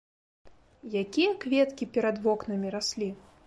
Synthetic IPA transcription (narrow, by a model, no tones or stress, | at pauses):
jakʲijɐkvʲɛt̪kʲipʲɛɾɐd̪vɔknɐmʲiɾasʲlʲi